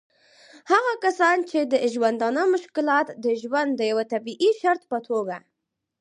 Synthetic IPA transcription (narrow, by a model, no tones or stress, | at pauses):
haɣakasɑnt͡ʃed̪əʒwand̪ɑnəmʊʃkɪlɑt̪d̪əʒwand̪d̪ːəjawat̪abiʔiʃaɾt̪pət̪ʰoɡa